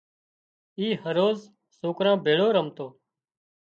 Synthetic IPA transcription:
iːhəɾoːz | soːkɾãːbʱeːɭoːɾəmt̪oː

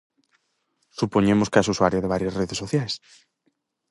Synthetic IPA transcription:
supoɲẽmʊskasuswaɾjɐðeβaɾjɐsreðesoθjajs

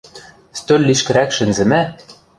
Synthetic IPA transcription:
st̪ølʲːiʃkɘ̆ɾækʃɘ̆nzɘ̆mæ

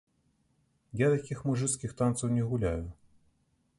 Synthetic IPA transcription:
jat̪akʲixmuʐɨt̪skʲixt̪ant̪sɐwnʲɛɣulʲajʊ

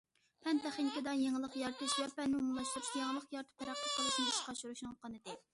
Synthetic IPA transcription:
pʰɛnt̪ɛχiŋkʲɪd̪ɑjeŋlˠəqjɑɾt̪ʰɨʃjɛpɛnːɪumulˠɑʃt̪uɾupjeŋlˠəqjɑɾt̪ʰɨ̥pʰɛɾɑχt̪ʰəolˠɨʃnɪiʃqɑʃuɾuʃnɨŋqʰɑnɨd̪ɪ

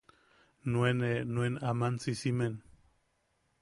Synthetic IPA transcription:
nuenenuwenamansisimen

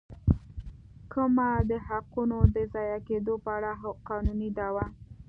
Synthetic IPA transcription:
kəmad̪əɦaqunod̪əzɑjaked̪opəaɽaɦqɑnunid̪awa

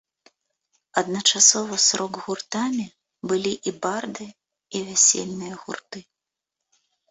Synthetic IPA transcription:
ɐd̪nɐt͡ʂasɔvɐsɾʔɔɡɣurt̪amʲi | bɨlʲiʔibard̪ɨ | ivʲasʲḛlʲnɨjɐɣurt̪ɨ

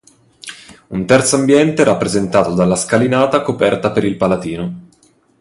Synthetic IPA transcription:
unt̪ɛrt̪soambjɛnt̪eɾapːɾezent̪aːt̪od̪alːaskalinaːt̪akopɛrt̪apeɾilpalad̪iːno

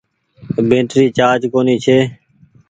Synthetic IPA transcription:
bʱẽːʈɾiːt͡ʃaːd͡ʒkoːniːt͡ʃʰeː

